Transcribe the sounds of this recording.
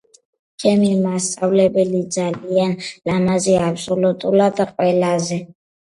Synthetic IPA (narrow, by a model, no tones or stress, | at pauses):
t͡ʃʰɛmimast̪sʼavlɛbɛlid̪zalianlamazɛapsɔlut̪ʼulad̪qʼwɛlazɛ